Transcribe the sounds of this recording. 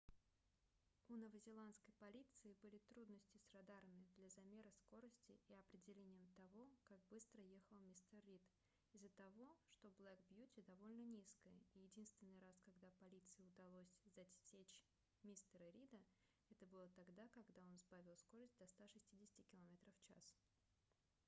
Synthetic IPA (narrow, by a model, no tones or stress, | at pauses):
unəvəzʲɪlˠant̪skəjpɐlʲit̪sɨɪbɨlʲɪt̪ɾud̪nəsʲtʲɪsrad̪aɾəmʲɪd̪lʲɐzɐmʲeɾəsko̞ɾəsʲtʲɪɪɐpɾʲɪdʲɪlʲenʲɪjəmt̪ɐvo̞kak̚bɨst̪ɾəje̞xəlˠmʲist̪ərːʲit̪ | ɪzːət̪ɐvo̞ʂt̪o̞blˠɛkbjutʲɪd̪ɐvo̞lʲnənʲiskəjəijɪdʲinst̪vʲɪnːɨjɾaskɐɡd̪apɐlʲit̪sɨjɪʊd̪ɐlˠo̞sʲzɐsʲet͡ɕ | mʲist̪əɾəɾʲid̪ə | ɛt̪əbɨlˠət̪ɐɡd̪akɐɡd̪ao̞nzbavʲɪlˠsko̞ɾəsʲt̚ʲd̪ɐst̪aʂɨsʲtʲidʲɪsʲɪ̥tʲɪkʲɪlˠɐmʲe̞t̪ɾəfːt͡ɕa̰s